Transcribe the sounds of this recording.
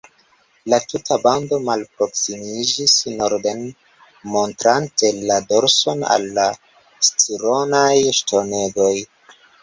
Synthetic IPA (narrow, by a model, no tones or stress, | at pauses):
latutʰabando̞malpɾo̞ksimid͡ʒisno̞ɾde̞n | mo̞ntɾante̞lado̞ɾso̞na̰lːa | stiɾo̞najʃto̞ne̞ɡoj